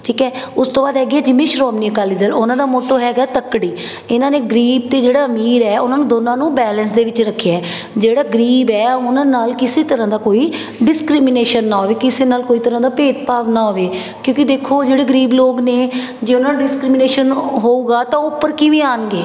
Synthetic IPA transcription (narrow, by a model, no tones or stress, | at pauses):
ʈʰiːkɛːʊst̪õːbaːd̪ɦɛːɡiɛːd͡ʒɪmẽːʃɾɔːmniːəkaːliːd̪əlʊnãːd̪aːmoːʈoːɦɛːɡaːɛːt̪əkɽiː | ɪnãːneːɡəɾiːb̚t̪eːd͡ʒeːɽaːəmiːɾɛːʊnãːnũːd̪oːnãːnũːbɛːlənsd̪eːʋɪt͡ʃɾəkʰːeɛɛː | d͡ʒeːɽaːɡəɾiːbɛːʊnãːnaːlkɪseːt̪əɾãːd̪aːkoːiː | ɖɪskɾɪmɪneːʃənːãːɦoːʋeːkɪseːnaːlkoːiːt̪əɾãːd̪aːpeːt̪paːʋnãːɦoːʋeː | kjõːkɪd̪eːkʰoːd͡ʒeːɽeːɡəɾiːbloːɡneː | d͡ʒeːʊnãːnɖɪskɾɪmɪneːʃənɦoːuːɡaːt̪ãːʊpːəɾkiːʋiːaːnɡeː